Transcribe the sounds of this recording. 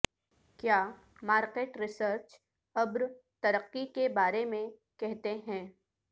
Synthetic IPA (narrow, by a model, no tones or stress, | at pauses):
kjaː | maːɾqeːʈɾɪsəɾt͡ʃ | ɐbɾ | t̪ɐɾəqːikebaːɾemẽ | kɛɦt̪eɦɛ̃ː